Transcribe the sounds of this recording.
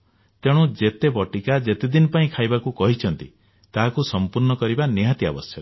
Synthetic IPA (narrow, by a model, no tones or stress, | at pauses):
t̪eɽ̃ũd͡ʒet̪ebɔʈikad͡ʒet̪ed̪inɔpaĩkʰajbakukɔɦit͡ʃʰɔnt̪ḭ | t̪aɦakusɔmpuɾnɔkɔɾibaneɦat̪ia̰bɔsjɔ